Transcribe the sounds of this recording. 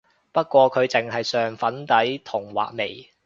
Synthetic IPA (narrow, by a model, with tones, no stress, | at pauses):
pɐ˥t̚kʷɔː˧kʰɵ˨˧ɥt͡sɪ˨ŋɦɐ˨jsœː˨ŋfɐ˨˥nt̪ɐ˨˥jt̪ʰʊ˨˩ŋwa̰ː˨k̚me˨˩j